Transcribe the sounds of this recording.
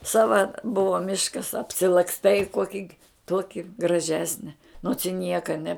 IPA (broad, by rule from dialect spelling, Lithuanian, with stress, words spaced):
ˈsɑːʋɐ ˈbʊʋoː ˈmʲɪʃkɐs ɐpʲsʲɪlˠɐksˈtɐɪ ˈkuɔkʲɪ ˈtuɔkʲɪ ɡrɐˈʒʲæːsʲnʲɛ noːts ɪ ˈnʲiɛkɐ nʲɛ